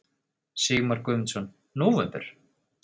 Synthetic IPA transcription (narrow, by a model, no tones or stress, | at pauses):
siːmaɾkʏːmɪnsɔn | noːvɛnp̪ʏ̰ɾ̥